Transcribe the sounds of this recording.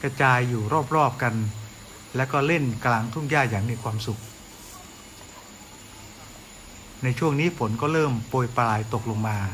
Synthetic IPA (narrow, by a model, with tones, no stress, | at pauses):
kɾa˧t͡ɕaː˧jːuː˨˩ɾɔː˥˩p̚ɾɔː˥˩p̚ka˧n | lɛ˦˥wkɔː˥˩le˥˩nklaː˧ŋt̪ʰu˥˩˨ŋjaː˥˩jaː˨˩ŋmiː˧kʰwaː˧msu˨˩k̚ | na˧jt͡ɕʰu˥˩əŋniː˦˥pʰo˩˦nkɔː˥˩ɾɤː˥˩mpoː˧jpa˧laː˧˩jt̪o˨˩k̚lo˧ŋmaː˧